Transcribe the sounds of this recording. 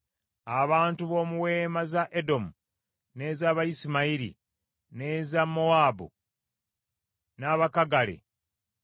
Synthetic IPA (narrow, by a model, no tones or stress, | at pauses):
aβaːntuβo̞ːmuwe̞ːmazaʔedo̞mu | ne̞zaːβajisimaiɾḭ | ne̞zamoaːbo̰ | naːβakaɡalḛ